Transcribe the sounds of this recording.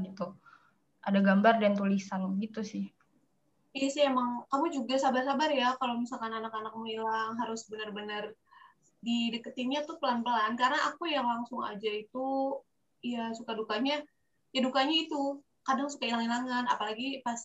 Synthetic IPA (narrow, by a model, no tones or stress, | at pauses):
it̪u | adaɡambardant̪ulisanbəɡit̪usɪh | jasiemaŋkamud͡ʒuɡasabarsabarjakalomisalkananakanak̚muilaŋɦaɾʊsbənərbənər | didəkət̪iɲat̪ʊpəlanpəlankarənaʔakujaŋlaŋsʊŋa̰d͡ʒait̪u | jasukadukaɲa | jadukaɲait̪u | kadaŋsu̥kailaŋilaŋanapalaɡipas